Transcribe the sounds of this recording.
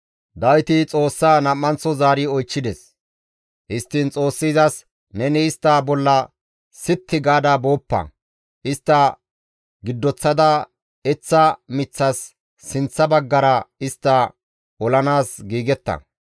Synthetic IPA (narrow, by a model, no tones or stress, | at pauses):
d̪ɐjt̪ɪt͡sʼo̞ːsːaːnɐmːɐnt͡sːɔzaːɾɪɔjt͡ʃːɪd̪ɛs | hɪst̪ːɪnt͡sʼo̞ːsːɪzɐs | nɛnɛɪst̪ːaːbɔlːɐ | sɪt̪ʰːɪɡaːd̪ɐbo̞ːpːɐ̰ | ʔɪst̪ːɐ | ɡɪd̪ːɔt͡sːɐd̪ɐ | ɛt͡sːɐmɪt͡sːɐsː | ɪnt͡sːɐbɐɡːɐɾɐɪst̪ːɐ | ɔlɐnaːsɡiːɡɛt̪ːɐ̰